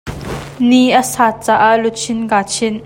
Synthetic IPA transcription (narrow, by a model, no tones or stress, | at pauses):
niʔəsaːt͡saːʔaʔlut͡sʰɪnkaːt͡sʰɪn